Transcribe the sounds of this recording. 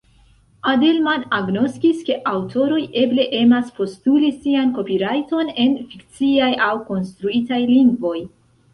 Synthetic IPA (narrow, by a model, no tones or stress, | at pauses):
adelmanaɡno̞skiske̞ʔawtʰo̞ɾo̞je̞ble̞ʔe̞maspo̞stulisianko̞piɾajto̞ne̞nfikt͡siajawko̞nstɾuitajliŋɡvo̞j